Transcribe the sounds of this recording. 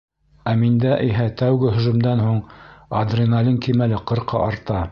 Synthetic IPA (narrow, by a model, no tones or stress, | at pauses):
æmind̪æʔiɦæt̪æwɡɘɦɵ̆ʒɵ̆md̪ænhuɴɐd̪rʲinɑlʲiŋkimælɘqɤ̆ɾqɑ̰ʔɑɾt̪ɑ